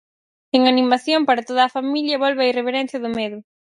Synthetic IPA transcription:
eŋanimaθjompaɾat̪oðaːfamiʎjɐβolβajreβeɾɛn̟θjɐðʊmeðʊ

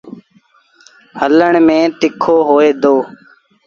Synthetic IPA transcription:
hələɳmẽːt̪ɪkʰoːɦoːeːd̪oː

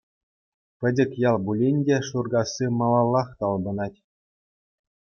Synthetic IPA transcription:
pʲɘ̆dʲɘ̆kʲjɑlˠbulʲenʲdʲeʂurɡɑsʲːimɑlˠɑlˠːɑχt̪ɑlˠbɤ̆nɑtʲ

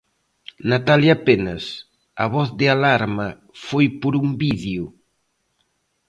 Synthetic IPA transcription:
nat̪aljapenɐs | ɐβ̞ɔθðɪalaɾmɐ | fojpoɾumbiðjʊ

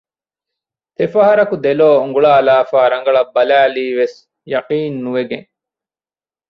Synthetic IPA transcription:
t̪efɐɦɐɾɐkud̪eloːuŋɡuɭaːlaːfaːɾɐŋ̆ɡɐɭɐbːɐlæːliːʋes | jɐqiːnːuʋeɡẽŋ

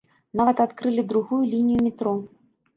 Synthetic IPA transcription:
navɐt̪at̪kɾɨlʲid̪ɾuɣujulʲinʲijumʲit̪ɾɔ

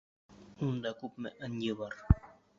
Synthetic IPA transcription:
und̪ɑkʉpmɘ̰ʔɘnjɤβɑɾ

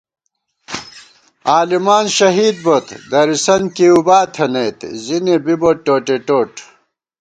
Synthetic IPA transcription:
aːlimaːnɕɐɦiːd̪̚bot̪d̪ɐɾisɐnkiubaːt̪ʰɐnet̪zinebiboʈːoːʈeʈoːʈ

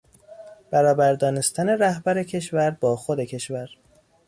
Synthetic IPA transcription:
b̥æɾɒːbæɾd̪ɒːne̞st̪ʰæne̞ɾæhbæɾecʰe̞ʃvæɾbɒːxod̪e̞cʰe̞ʃvæɾ

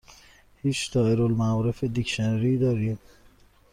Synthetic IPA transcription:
hiːt͡ʃd̪̥ɒːeɾolmæɔːɾefed̪icʃenɾiːd̪ɒːɾiːm

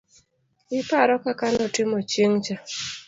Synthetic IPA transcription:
ɪpaɾɔkakanɔtɪmɔt͡ʃeŋt͡ʃa

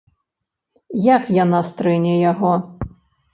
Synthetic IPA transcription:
jakjanast̪ɾɛnʲɛjaɣɔ

